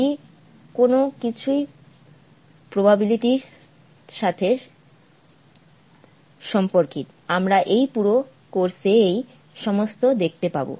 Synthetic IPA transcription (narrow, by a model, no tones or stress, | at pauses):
i | konokit͡ɕʰuj | pɾobabiliʈiɾ | ʃat̪ʰe | ʃɔmpoɾkit̪ | amɾaʔejpuɾo | koɾsʰeej | ʃɔmost̪od̪ek̚ʰt̪epabo̰